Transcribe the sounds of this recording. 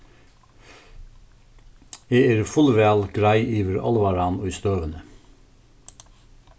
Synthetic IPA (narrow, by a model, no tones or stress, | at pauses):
jeːæːɾfʊlʋæːlɡ̥ɾæɪʔiːʋəɾʔɑ̰lʋɑɾɑnoːist̪øːʋənə